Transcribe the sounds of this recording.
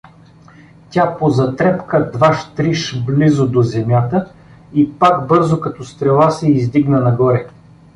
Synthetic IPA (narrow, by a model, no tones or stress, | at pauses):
tʲapozɐt̪ɾɛpkəd̪vaʃt̪ɾiʃblizod̪ozɛmjat̪ə | ipakbɤɾzokɐt̪ɔst̪ɾɛlˠasɛizd̪iɡnənɐɡɔɾɛ